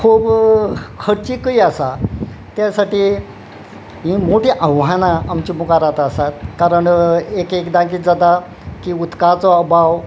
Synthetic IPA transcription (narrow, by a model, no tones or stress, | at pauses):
kʰub | kʰəɽt͡ɕiːkəiasa | t̪jasaʈiː | ɦĩmoʈeʔə̃wɦanaːmt͡ɕiːmukaɾat̪asat̪kaɾəɳekekd̪ãkiːt̪̚d͡zad̪a | kiːut̪kat͡sɔəbʱaw